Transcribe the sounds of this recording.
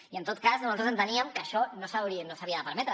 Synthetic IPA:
iənt̪ot̪̚kasnuzalt̪ɾsənt̪əniəmkəʃɔnosawɾinosaβiəðəpəɾmɛt̪ɾə

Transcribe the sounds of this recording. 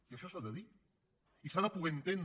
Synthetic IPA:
iaʃɔsaðeði | isaðapuβent̪en

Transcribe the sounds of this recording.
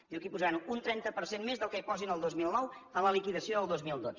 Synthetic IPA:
d̪iwkipuzaanunt̪ɾɛnt̪əpəɾsenmezðəlˠkəipɔzinəlˠd̪ozmilˠnɔwələlikiðəsioðəlˠd̪ozmilˠd̪od͡z

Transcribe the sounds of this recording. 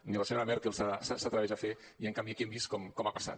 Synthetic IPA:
niləseɲoɾamɛɾkelˠsasasat̪ɾaβɛʒafe | iəŋkambiakiɛmbiskɔmkɔmapasa̰t̪

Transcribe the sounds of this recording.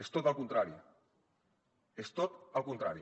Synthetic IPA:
est̪ot̪alkunt̪ɾaɾi | est̪ot̪alkunt̪ɾaɾi

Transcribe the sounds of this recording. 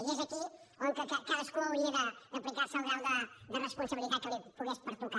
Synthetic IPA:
jezəki | oŋkəkəkaðəskuəuleɾəd̪əplikaɾsəlˠɣɛwðəd̪ərəspunsəβilˠit̪at̪̚kəlipuɣɛspəɾt̪uka

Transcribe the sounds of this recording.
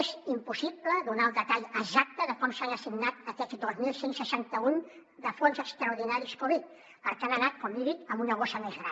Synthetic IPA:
ezimpusipləðunalˠd̪ət̪aʎəzak̚t̪əðəkɔmsaŋəsiɡnat̪əkɛzd̪ozmilˠsensəʃant̪əun | d̪əfonzəkst̪ɾəuɾð̞inaɾiskoβit̪̚ | pəɾkanənat̪̚kɔmiðit̪əmbunəɣ̞osəmezɣɾan

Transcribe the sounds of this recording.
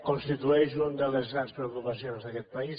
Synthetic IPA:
kõnst̪it̪uejʒõnd̪ɐðɐzɣɾãnd̪spɾeokupɐsjõnzðɐkɛt̪̚pɐi

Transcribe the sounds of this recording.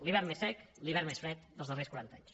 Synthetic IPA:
liβɛɾmesːɛkliβɛɾmesfɾɛt̪d̪əlˠzðəreskuɾant̪aɲs

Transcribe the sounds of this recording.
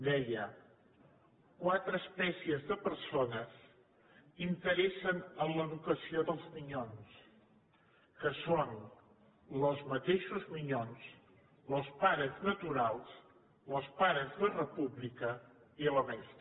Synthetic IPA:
d̪ɛjə | kwat̪ɾəːspɛsiəzðəpəɾsonəz | int̪əɾɛsənənləðukəsioðəlˠzmiɲons | kəson | ləzmət̪eʃuzmiɲons | ləspaɾəznət̪uɾalˠs | ləspaɾəzðərəpuβlikəiələβɛst̪

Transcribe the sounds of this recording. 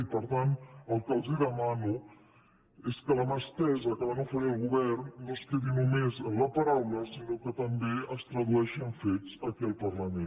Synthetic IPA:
ipəɾt̪anəlˠkəlˠziðəmanu | eskələməst̪ɛzəkəβanofəɾiəlˠɣuβɛrnːoskeðinumezələpəɾawləsinokət̪əmbeəst̪ɾəðuɛʃəɱfet͡səkiəlˠpərləmen

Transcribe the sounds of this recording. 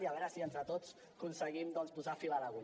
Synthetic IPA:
iaβɛɾəsient̪ɾət̪ot͡s | kunsəɣimd̪ɔnspuzafilaɾaɣu

